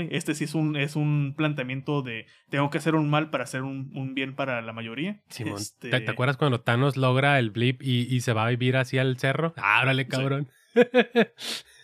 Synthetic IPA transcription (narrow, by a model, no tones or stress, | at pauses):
e̞st̪esiesune̞sunplant̪ejamje̞nt̪o̞ðe̞ | t̪e̞ŋɡoke̞ase̞ɾunmalpaɾaːse̞ɾununbje̞npaɾalamaʝo̞ɾiasimõ̰nt̪eeeakwɾðaskwand̪ot̪ano̞zlo̞ɣɾaelblipiːse̞βaβiβiɾasialse̞ro̞a̰oɾalekaβɾo̞n